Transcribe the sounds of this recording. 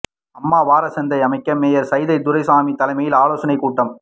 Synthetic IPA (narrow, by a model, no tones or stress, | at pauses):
ɐmːaːʋaːɾɐsɛnd̪ɐɪɐmɐɪkːɐmːeːjɐɾsɐjðɐɪd̪ʊɾɐɪsaːmit̪ːɐlɐɪmɐjɪlaːloːsɐnɐɪkuːʈːɐm